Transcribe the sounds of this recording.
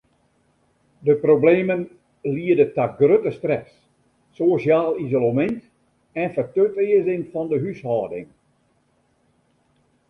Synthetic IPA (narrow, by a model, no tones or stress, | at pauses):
dəprobleːmən | liədətaɡrøtəstrɛs | soːʃjaːlˠizolomɪnt | ɛnfətøtɪəzɪŋfɔndəɦyshɔːdɪ̰ŋ